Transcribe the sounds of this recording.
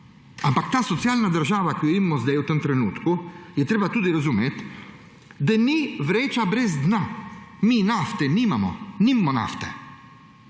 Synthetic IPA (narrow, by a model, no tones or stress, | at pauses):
ampak̚t̪aːsɔt̪sjaːlnad̪əɾʒaːʋakijɔimːɔzd̪ɛjwt̪əmt̪ɾɛnuːt̪kujɛt̪ɾeːbat̪uːd̪iɾazumeːt̪ | d̪aniʋɾeːt͡ʃabɾɛzd̪naminaft̪ɛnimamɔ̰nimmɔna̰ft̪ɛ